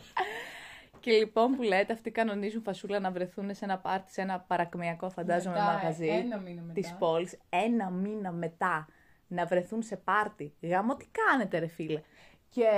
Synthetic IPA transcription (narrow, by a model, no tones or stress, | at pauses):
ce̞lipo̞mpule̞ːt̪e̞ɐft̪ikɐno̞nizuɱfɐsulɐnɐvɾe̞θunese̞nɐpɐɾt̪i̥se̞nɐpɐɾɐkmiɐko̞fɐnd̪ɐzomemɐɣɐzinɐminɐt̪ispo̞lise̞nɐminɐme̞t̪ɐ | nɐvɾe̞θunse̞pɐɾt̪iɣɐmot̪i̥kɐne̞t̪e̞ɾe̞filɐ